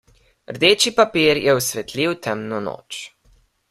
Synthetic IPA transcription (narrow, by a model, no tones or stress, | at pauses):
ɾd̪eːt͡ʃipapiɾjɛusʋɛt̪ʰliwt̪ɛmnɔno̰ːt͡ʃ